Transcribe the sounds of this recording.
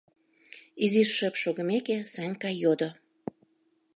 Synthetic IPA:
iziʃːəpʃoɣə̆mekesɑnʲkɑjod̪o

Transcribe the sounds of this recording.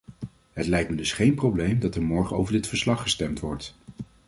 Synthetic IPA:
ɦətlɛjk̚tmədɵsχejnprowblejmdɑtɛɹmɔɹχənowvəɹdɪtfəɹslɑχːəstɛmtʋɔɹt

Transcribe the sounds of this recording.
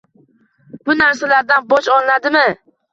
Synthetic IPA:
b̥ʊnaɾsalaɾd̪anbɒt͡ʃɒlˠnad̪ɪmɪ

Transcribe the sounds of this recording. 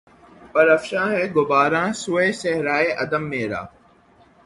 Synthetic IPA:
pəɾəfʃãːɦɛːɡʊbaːɾãːsʊeːsɛːɾaːeːʔəd̪əmːẽːɾa̰ː

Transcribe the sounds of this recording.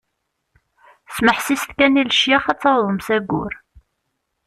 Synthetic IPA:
sməħsist̪kænilʃjaχæt͡sːɑɾðˤəmsæɡːʊ̰ɾ

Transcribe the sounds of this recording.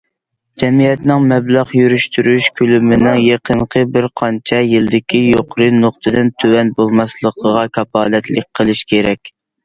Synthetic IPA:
d͡ʒɛmijɛt̪nɪŋmɛblɑʁjyɾyʃt̪ʰyɾyʃkʲʰølymɪnɪŋjeqʰənqʰəbɪɾqʰɑnt͡ʃʰɛjɪld̪ɪkʲʰijoqʰɾɨnoqt̪ʰɨd̪ɨnt̪ʰøwɛnbolˠmɑslˠəqʰəʁɑkʰɑpɑːlɛt̪lɪk̚ʲqʰəlˠɨʃkʲʰeɾɛkʲ

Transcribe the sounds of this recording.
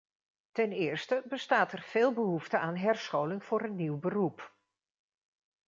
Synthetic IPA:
tɛnɪːrstəbəstaːtɛrv̥ɪːlˠbəɦuftəʔaːnɦɛrsχoːwlɪŋv̥ʊːɾənːiwbərup

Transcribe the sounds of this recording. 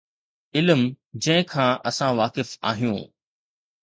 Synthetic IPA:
ɪlm | d͡ʑɐ̃ɦɪ̃kʰãːʔɐsãʋaːkɪfa̰ːɦijṵ̃ː

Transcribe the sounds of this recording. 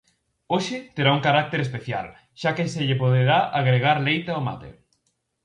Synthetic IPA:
oʃɪt̪eɾauŋkaɾak̚t̪eɾespeθja̰l | ʃakeseʎepoðeɾaʔaɣɾeɣ̞aɾlejt̪aoma̰t̪ḛ

